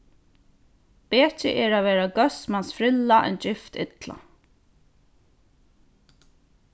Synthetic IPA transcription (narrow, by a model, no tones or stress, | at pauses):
pɛːt͡ʃɪ̰ʔɛɾaʋɛːɾaɡœsmansfɾɪlːaʔɛ̰nd͡ʒɪft̪ɪt̪la̰